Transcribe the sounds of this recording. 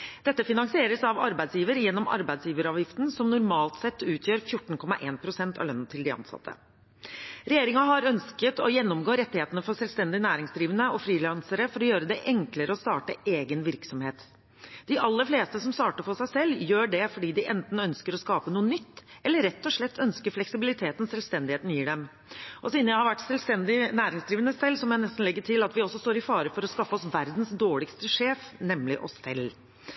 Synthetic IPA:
d̪̥ɛt̪ːəfɪnɑŋsɪeːɾəsɑʋɑ̰ɾbæɪd̪sjiːʋəɾjɛnːɔmɑ̰ɾbæɪd̪sjiːʋəɾɑːʋjɪft̪nsɔmnʊɾmɑːlt̪sɛt̪ːʉːt̪ʰjøːɾfjʊʈːɳ̩kʰɔmːɑʔeːnpʰɾʊsɛnt̪ɑ̰ʋlœnːət̪ʰɪld̪ɪɑ̰nsɑ̰t̪ʰːə̰ | ɾɛjeːɾɪŋɑɦɑɾœnskət̪ɔjɛnːɔmɡoːɾɛt̪ːɪheːt̪ənəfɔʂɛlst̪ɛnd̪ɪnæːɾɪŋsd̪ɾiːʋənəɔfɾiːlɑnsəɾəfɔɾɔjøːɾəd̪ɛʔɛŋkləɾəɔst̪ɑːʈə̰eːɡənʋɪɾksɔmheːt̪ | d̪̥ɪʔɑlːəɾfleːst̪əsɔmst̪ɑːʈəfɔsæɪsɛlːjøːɖɛfɔɖiːd̪ɪʔɛnt̪n̩œnskəɾɔskɑːpənuːənʏt̪ːʔɛlːəɾɛt̪ːɔʂɭɛt̪ːœnskəɾflɛksɪbɪlɪt̪ʰeːt̪n̩sɛlʋst̪ɛnd̪ɪheːt̪n̩jiːɖɛm | ʔɔsiːnəjæɪhɑɾʋæʈːsɛlst̪ɛnd̪ɪnæːɾɪŋsd̪ɾiːʋənəsɛlːsɔmjæɪnɛst̪n̩lɛɡːəʈʰɪlɑt̪ʋɪɔsːɔst̪oːɾɪfɑːɾəfɔɾɔskɑfːəɔsʋæɾd̪n̩sd̪oːɭɪkst̪əʂeːfnɛmlɪʔɔ̰sːɛ̰lː

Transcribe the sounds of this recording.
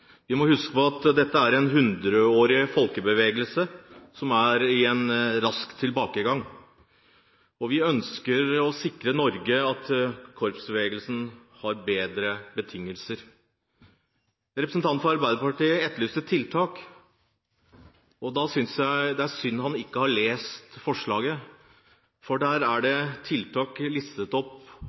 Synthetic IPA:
ʋɪmɔhʉskə̥pɔɑt̪d̪ɛt̪ːəæɾɛnɦʉnd̪ɾəoːɾɪfɔlkəbəʋeːɡəlsəsɔmæɾɪɛnɾɑskt̪ʰːɪlbɑːkəɡɑŋː | ɔʋɪœnskəɾɔsɪkɾənɔɾɡəɑt̪kʰɔɾpsbəʋeːɡəlsn | hɑɾbeːd̪ɾəbət̪ʰɪŋːəlsəɾ | ɾɛpɾəsnt̪ɑnfɔɾɑɾbæɪd̪əɾpɑʈiːəɛt̪ːlyːsət̪ʰːɪlt̪ʰɑːk | ɔd̪ɑsʏnsjæɪd̪ɛæɾsʏnːɦɑnɪkːəhɑɭeːst̪fɔʂɭɑːɡə | fɔɖæːɾæɖɛt̪ʰɪlt̪ʰɑːklɪst̪ət̪ɔpː

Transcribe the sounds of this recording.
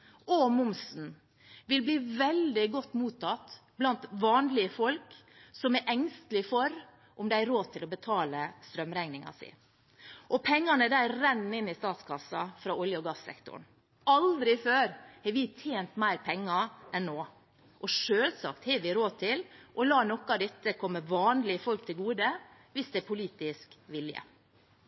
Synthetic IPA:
ʔɔmʊmsn̩ | ʋɪlbliːʋɛld̪ɪɡɔt̪ːmuːt̪ʰɑt̪blɑnt̪ʋɑːnlɪəfɔlksɔmɛʔɛŋst̪lɪfɔɾ | ʔʊmd̪ɛææɾoːt̪ʰɪlɔbət̪ʰɑːləst̪ɾœmɾɛŋnɪŋɑ̰sɪ̰ | ʔɔpʰɛŋːɑnəd̪æɾɛnːɪnːɪst̪ɑːt̪skʰɑsːɑfɾɑːɔljəɔɡɑsːɛ̰kt̪ʊ̰ɳ | ɑld̪ɾɪføːɾhɛɾʋɪt̪ʰeːnt̪mæɪɾpʰɛŋːɑʔɛnːoː | ʔɔʂøːlsɑ̰kt̪hɛːʋɪɾoːd̪̚t̪ʰɪlʔɔlɑːnɔkːɑd̪ɛt̪ːəkʰɔmːəʋɑːnlɪəfɔlk̚t̪ʰɪlɡuːd̪ə | ʋɪsd̪ɛæɾpʰʊliːt̪ɪskʋɪljə̰

